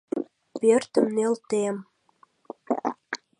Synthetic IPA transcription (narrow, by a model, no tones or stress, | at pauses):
pørt̪ə̆mnelt̪em